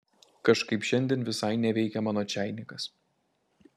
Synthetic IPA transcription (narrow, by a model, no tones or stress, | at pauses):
kɐʃkɐɪpʃʲɛnʲd̪ʲeːnʋʲɪsɐɪnʲɛʋʲɛɪkʲɛmɑːnoːt͡ʃʲæˑɪnʲɪkɐs